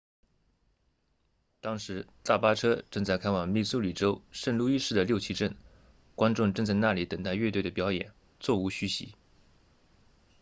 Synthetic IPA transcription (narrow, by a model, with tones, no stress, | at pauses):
t̪ɑ˥ŋʂɻ̩˧˥t̪a˥˩pa˥ʈ͡ʂʰɤ˥ʈ͡ʂɤ˥˧ŋt͡sa˥˧ɪkʰa˥nwɑ˨˩ŋmi˥˩su˥ly˨˩ʈ͡ʂo˥ʊʂə˥˧nlu˥˧i˥ʂɻ̩˥˩d̪ə˩ljo˥˧t͡ɕʰi˧˥ʈ͡ʂə˥˩n | kwa˥nʈ͡ʂʊ˥˧ŋʈ͡ʂɤ˥˧ŋt͡sa˥˧ɪna˥˩li˧˥t̪ə˨˩ŋt̪a˥˧ɪɥɛ˥˧t̪we˥˩ɪd̪ə˩pjɑ˧˥ʊjɛ̰˨˩˦n | t͡swɔ˥˩u˧˥ɕy˧˥ɕḭ˧˥